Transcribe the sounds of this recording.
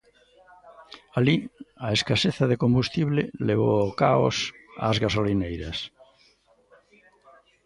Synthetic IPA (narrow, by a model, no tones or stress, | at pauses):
aliaeskaseθaðekõmbust̪iβleleβookao̰sa̰zɣasolinejɾa̰s